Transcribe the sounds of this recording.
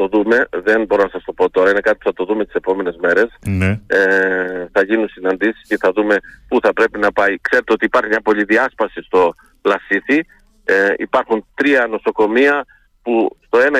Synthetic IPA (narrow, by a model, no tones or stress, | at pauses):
o̞ðume̞ðe̞nbo̞ɾo̞nɐsɐst̪o̞po̞t̪o̞ɾɐine̞kɐt̪i̥pu̥θɐt̪o̞ðumet̪i̥se̞po̞me̞ne̞zme̞ɾe̞sneθɐʝinunsinɐnd̪isi̥sce̞θɐðume̞puθɐpɾe̞pinɐpɐikse̞ɾet̪o̞t̪iːpɐɾçimɲɐpo̞ʎiðiɐspɐsist̪o̞ | plɐsiθi | ipɐɾxunt̪ɾiɐno̞so̞ko̞miɐ | pust̪o̞e̞nɐ